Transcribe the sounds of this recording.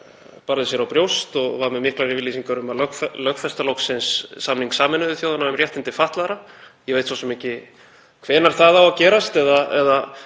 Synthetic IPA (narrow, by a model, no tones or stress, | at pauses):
paːɾaðɪs̬jɛɾawpɾjowst̪ɔɣvaɾmɛmɪhklaɾɪvɪlisiŋkaɾʏmaðlœkflœxfɛst̪alowksɪnsːamniŋksaːmɪnʏðʏθjowðanaɛmrjɛht̪ɪnt̪ɪfaht̪laðɾajɛvejt̪fvawsɛmɛhcɪ | kʰvɛːnaɾ̥θaðawacɛːɾast̪ɛðaɛ̰ða